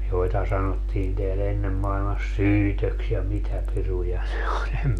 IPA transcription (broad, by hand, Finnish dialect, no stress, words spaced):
joitɑ sɑnotːiːn teæl enːem mɑilmɑs syːtøks jɑ mitæ pirujɑ ne olʲ em